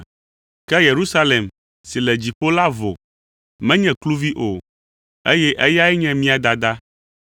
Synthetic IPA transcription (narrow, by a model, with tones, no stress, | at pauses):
kɛ˦je˨ɾu˦sa˦le˨m | si˨lɛ˨d͡ʑi˨ɸo˦la˦vo̰˨ | mɛ̃˦ɲɛ̃˨klu˦vi˦ʔo˨ | e˦jɛ˦ʔɛ˦ja˦ɛ˦ɲɛ̃˦mĩ˦a˨d̪a˨d̪a˦